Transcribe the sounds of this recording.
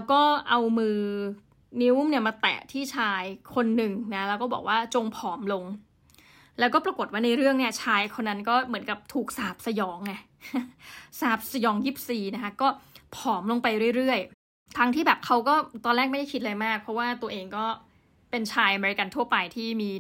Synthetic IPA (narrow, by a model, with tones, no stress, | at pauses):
wkɔː˥˩ʔa˧wmɯː˧ | ni˦˥wmni˥˩maː˧t̪ɛ̰ː˨˩t̪ʰiː˥˩t͡ɕʰaː˧jkʰo˧nːɯ˨˩ŋna˦˥lɛː˦˥wkɔː˥˩bɔ̰ː˨˩k̚waː˥˩t͡ɕo˧ŋpʰɔː˩˦mlo˧ŋ | lɛː˦˥wkɔː˥˩pɾa˧ko˨˩t̪̚waː˥˩na˧jɾɯ˥˩əŋni˥˩ɐt͡ɕʰaː˧jkʰo˧nːa˧˥nkɔː˥˩mɯ˩˦nka˨˩p̚t̪ʰuː˨˩k̚saː˨˩p̚sa˧jɔː˩˦ŋːa˧˩ | saː˨˩p̚sa˧jɔː˩˦ŋjiː˥˩p̚siː˨˩na˦˥kʰa˦˥kɔː˥˩pʰɔː˨˩˦mlo˧ŋpa˧jɾɯ˥˩jɾɯ˥˩əj | t̪ʰa˦˥ŋt̪ʰiː˥˩bɛː˨˩p̚kʰa˦˥wkɔː˥˩t̪ɔː˧nlɛː˥˩k̚m˥˩da˥˩kʰi˦˥t̪̚la˧jmaː˥˩k̚pʰɔ˦˥waː˥˩t̪u˧ɐʔeː˧ŋkɔː˥˩ | pe˧nt͡ɕʰaː˧jʔa˧meː˧ɾi˧ka˧nt̪ʰu˥˩ɐpa˧jt̪ʰiː˥˩miː˧